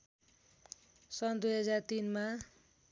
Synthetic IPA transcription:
sʌnd̪ujɦʌd͡zart̪inma

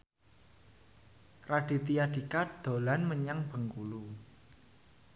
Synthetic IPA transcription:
raɖ̥i̤t̪ijad̥ikad̪̥o̤lanməɲaŋb̥ə̤ŋkulu

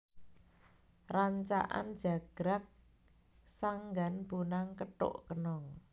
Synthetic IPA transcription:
raɲt͡ʃa̰ʔa̰nd̥d͡ʒ̥a̤ɡ̥ɾak̚ | saŋɡanb̥unaŋkəʈʊ̰ʔkənɔŋ

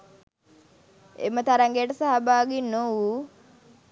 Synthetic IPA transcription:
ḛmət̪aɾaŋɡeʈsaɦabaɡinːowu

